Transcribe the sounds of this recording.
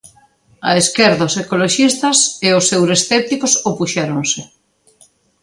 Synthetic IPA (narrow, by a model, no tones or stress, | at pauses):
ɐ̰eskeɾðaʊsekoloʃist̪ɐseʊsewɾesθɛp̚t̪ikosopuʃɛɾoŋsɪ